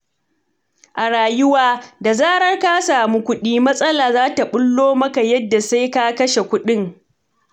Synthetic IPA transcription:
ʔa˨ɽaː˨jʊ˦waː˦da˨zaː˦ɽɐ˦rka˦saː˨mu˦kʷʊ˦ɗiː˦mɐ˦sʼɐ˦laː˨zaː˦ta˨ɓʊ˦lːoː˦mɐ˦ka˨jɐ˦dːa˨sa˦jka˦kɐ˦ʃe˨kʷʊ˦ɗɪ˦ŋ

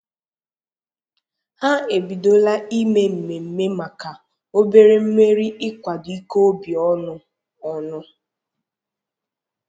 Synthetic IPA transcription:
ha˦e˨bi˨do˦la˦i˦me˦m̩˨me˨m̩˨me˦ma˨ka˨ | o˦be˦ɾe˦m̩˦me˦ɾi˦ʔɪ˦kʷa˨dʊ˨i˦ko˦bi˨ɔ˦nʊ˨ | ɔ˨nʊ˦

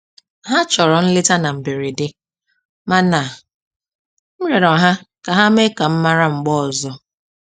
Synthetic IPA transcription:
ɦa˦t͡ʃɔ˨ɾɔ˨n̩˦lɪ˦ta˦na˨m̩˨be˨ɾi˨dɪ˦ | ma˦na˨ | m̩˦ɾe˨ɾɔ˨ɦa˦ka˨ɦa˦me˦ka˨m̩˦ma˦ɾa˦ŋ͡m̩˨ɡ͡bɔ˦ɔ˨zɔ˦

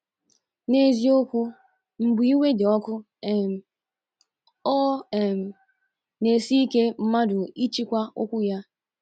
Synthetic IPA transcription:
ne˦zi˦o˦kʷu˦ | m̩˨bʊ˨i˦we˦de˨ɔ˦kʊ˦˨ | ɔ˦˨ | ne˨si˦i˦ke˦m̩˦ma˦dʊ˨i˦t͡ʃi˦kʷa˦o˦kʷu˦ja˦

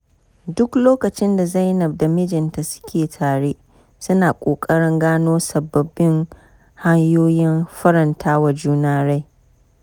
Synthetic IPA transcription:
dʊ˦kloː˦kɐ˨t͡ʃɪ˦nda˨za˦jnɐ˨b̚da˨mɪ˦d͡ʒɪ˨nta˨sʊ̥˦kʲeː˨tʰaː˨ɽeː˦ʔ | sʊ˦naː˨kʷʼoː˨kʼɐ˦ɽɪ˦ŋɡaː˦noː˦sɐ˨bːɐ˨bɪ˦ŋ | ha˦ɲjoː˦jɪ˦mɸɐ˦ɾɐ˨ntʰaː˦wa˨d͡ʒuː˦naː˦ɽa˦j

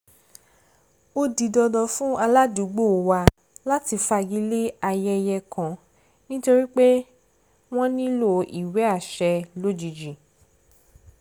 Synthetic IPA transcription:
o˦di˧dɔ˧dɔ˧fũ˦a˧la˦du˨˦ɡ͡bo˦˨wa˧ | la˦ti˧fa˧˨ɡi˨˦le˦a˧jɛ˧jɛ˧kã˨˦ | nĩ˦to˧ɾi˦k͡pe˦ | w̃ɔ̃˦nĩ˦lo˦˨ʔḭ˨wɛ˨˦a˦˨ʃɛ˧lo˦d͡ʒi˨d͡ʒi˨

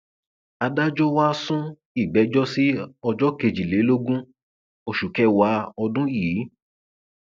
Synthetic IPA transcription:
a˧da˦d͡ʒɔ˦wa˦sũ˦ | i˦˨ɡ͡bɛ˨˦d͡ʒɔ˦si˦ɔ˧d͡ʒɔ˦ke˧d͡ʒi˨le˨˦lo˦ɡũ˦ | o˧ʃu˨kɛ˦wa˧˦ɔ˧dũ˦jiː˨˦

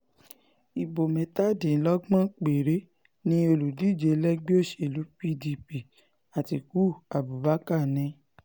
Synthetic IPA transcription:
i˨bo˨mɛ̃˨ta˦˨dĩ˨˦lɔ˦ɡ͡bã˦k͡pe˨ɾe˨˦ | nĩ˧o˧lu˨di˦˨d͡ʒe˧lɛ˦ɡ͡be˦o˦˨ʃe˨lu˨˦pi˦di˧pi˨ | a˨ti˧˨ku˦˨a˨bu˨ba˨˦ka˦˨nɛ̃˧˦

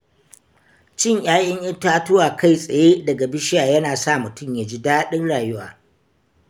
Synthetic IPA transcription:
t͡ʃɪ˦ɲj̰aː˦ʔʲʼɪ˦ɲʔɐ˦ntaː˦tʊ˦waː˨ka˦˨jsʼɐ˨jeː˦dɐ˨ɡa˨bɪ˦ʃɪ˦jaː˨jɐ˦naː˨sa˦˨mʊ˨tʊ˦mjaː˨d͡ʒi˦daː˦ɗɪ˦nɽaː˨jʊ˦waː˨

